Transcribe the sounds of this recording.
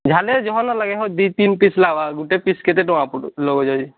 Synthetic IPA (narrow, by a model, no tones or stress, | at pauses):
d͡ʒʱalɛd͡ʒɔɦɔnɔlaɡɛɦɔd̪it̪inpislabaɡuʈɛpiskɛt̪ɛʈɔ̃apulɔɡɔd͡ʒad͡ʒi